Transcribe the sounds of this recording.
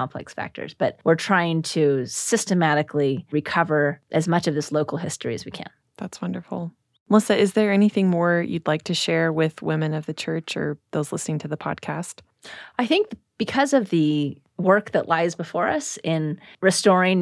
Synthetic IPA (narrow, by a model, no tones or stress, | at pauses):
ɑ̃mpʰlɛ̰ksfæ̰k̚tʰə̰˞z̥b̥ʌt̚wɨɹtʰɹ̥aɪɪ̃ŋtʰɨsɪstɨmæɾɨkʰliɹɨkʰʌvə˞ʔɨzmʌt͡ʃʌvðɪsloʊkl̩ˠɦɪstɹ̥ḭɨ̰zwikʰɨ̰̃n | ðætswʌ̃ndə˞fl̩ˠ | mʌsɨɨzðə˞ɛniθɪ̃ŋmɔɹjɨ̰dˡlaɪk̚tʰɨʃɛɹwɪð̥wɪ̃mɨ̃nʌvðɨt͡ʃʰɜ˞t͡ʃə̰˞ðoʊz̥lɪsnɪ̃ŋtʰɨðəpʰɑ̰d̚kʰæst̚ | ʔaɪθɪ̃ŋk̚ð | b̥ɨkʰʌzʌvðɨ | wɜ˞k̚ðə̰ʔˡlaɪzbəfɔɹʌsɪ̃nɹɨstɔɹɪ̃ŋ